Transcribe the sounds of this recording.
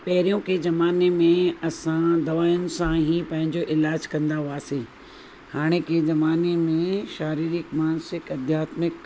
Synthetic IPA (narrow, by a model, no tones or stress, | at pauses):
pɐɦɪɾijõkezɐmaːnemẽɐsãd̪ɐʋaːjʊnɪ̆sãɦipɐ̃ɦɪ̃ɲd͡ʑoʔɪlaːd͡ʑkɐ̃nd̪aɦuaːseː | haːɽ̃ekezɐmaːnemẽʃaːɾiːɾɪkmaːnsɪkɐd̪ʱjaːt̪mɪk